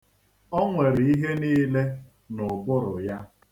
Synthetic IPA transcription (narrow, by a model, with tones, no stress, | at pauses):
ɔ˦ŋʷe˨ɾi˨i˦ɦe˦niː˦le˦ | nʊ˨bʊ˦ɾʊ˨ja˦